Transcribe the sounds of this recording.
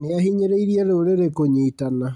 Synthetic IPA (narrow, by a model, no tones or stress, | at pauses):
neahiɲeɾeiɾiɛɾeoɾeɾekoɲiːtana